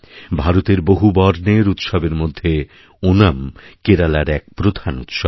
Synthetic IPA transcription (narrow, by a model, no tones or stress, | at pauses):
bʱaɾot̪eɾboɦubɔɾneɾut̪ʃɔbeɾmod̪ʱːe | onamkeɾalaɾɛk̚pɾod̪ʱanut̪ʃɔb